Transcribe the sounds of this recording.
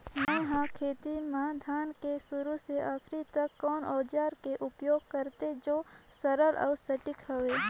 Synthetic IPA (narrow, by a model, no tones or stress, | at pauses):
mãɦãkʰeːt̪imaːd̪ʱaːnkesʊɾuseʔaːkʰɾit̪ɐkːɔːnɔːd͡ʒaːɾkeʔʊpjoːɡ̚kəɾt̪ed͡ʒoːsɐɾəɾʔa̰ːsɐʈɪkɦɐʋeː